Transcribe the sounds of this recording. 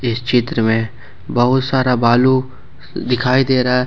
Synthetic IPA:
ɪst͡ʃɪt̪ɾəmẽ | bɐɦʊt̪saːɾabaːlu | d̪ɪkʰaːid̪eːɾaɦɛ

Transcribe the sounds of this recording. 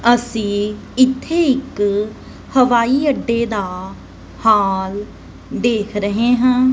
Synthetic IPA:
əsĩːɪt̪ʰːeːɪk | həʋaːiːəɖːeːd̪aː | haːl | d̪eːkʰɾəɦeːɦãː

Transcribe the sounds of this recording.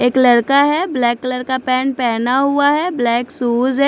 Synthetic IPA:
eːklɐɽkaɦɛblɛːklɐɾkapɛ̃ːnpɛːnaɦʊaɦɛblɛːksuːd͡ʒɦɛ

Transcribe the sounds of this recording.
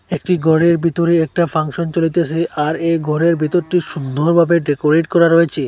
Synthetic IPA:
ek̚ʈiɡʱɔɾeɾbʱit̪oɾeɛk̚ʈafʰaŋʃont͡ɕolit̪et͡ɕʰeʔaɾeɡʱɔɾeɾbʱit̪oɾʈiʃund̪ʱoɾbʱabeɖekoɾeʈkɔɾaɾojet͡ɕʰe

